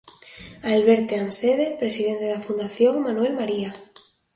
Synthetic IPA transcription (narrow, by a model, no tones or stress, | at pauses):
alβeɾt̪eanseðepɾesiðent̪e̞ðafund̪aθjõŋmanuelmaɾia